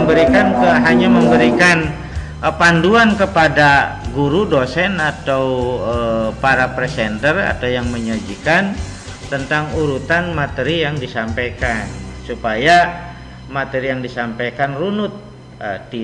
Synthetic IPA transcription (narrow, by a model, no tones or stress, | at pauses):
bəɾikankəɦaɲaməmbəɾikan | panduankəpadaɡuɾudosɛnat̪awəpaɾapɾesɛnt̪əra̰t̪awjaŋməɲad͡ʒikan | t̪ənt̪aŋuɾut̪anmat̪eɾijaŋdisampajkansupaja | mat̪eɾijaŋdisampajkanrunʊt̪̚ | ədi